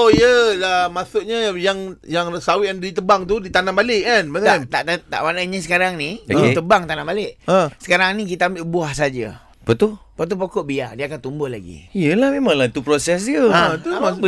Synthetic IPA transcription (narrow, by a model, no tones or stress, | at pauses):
oijəamasʊʔɲəjaŋjaŋsawɪt̪ɛndit̪əbaŋt̪̬udit̪anãmbalɪʔkanmaant̪aʔt̪ət̪a̰ʔmanaɲəsəkaɾaŋniet̪əbaŋt̪anãmbalɪʔə̃sə̥kaɾaŋnikit̪aambɪʔbuahsad͡ʒa̰ | pət̪upət̪̬upokɔʔbia̰diəakant̪ːumbʊhla̰ɡḭijəlahmẽmãŋlat̪upɾosɛs̬jəãt̪uaaə